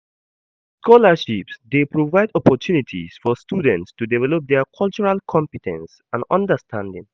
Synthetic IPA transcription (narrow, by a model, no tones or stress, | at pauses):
skʰɔləʃipsdepɹovaɪdɔpɔtʰjunitʰḭsfɔstuːdə̃ntstudɛvɛlop̚d̪ɛkʰʌlt͡ʃuɹalkʰɔ̃mpitʰɛ̰̃ns | ãnʌ̰̃ndəstʰãndɪ̰̃ŋ